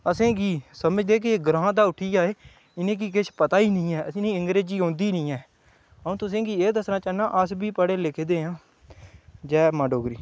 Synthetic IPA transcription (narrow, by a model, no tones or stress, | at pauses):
əsẽːɡiːsəməd͡ʒd̪eːk̬ɪeːɡɾãːd̪aːʊʈʰiːd͡ʒaːeː | ɪnẽːk̬ik̬ɪʃʰpət̪aːiːnĩːɛːəsĩːnĩːɪŋɡɾeːd͡ʒiːɦõːnd̪iːnĩːɛː | ɦəũːt̪ʊs̬ẽːɡiːeːd̪əsnãːt͡ʃaːnã̰ːʔəsbiːpəɽeːlɪkʰːd̪eːɦãː | d͡ʒɛːmaːɖoːɡɾiː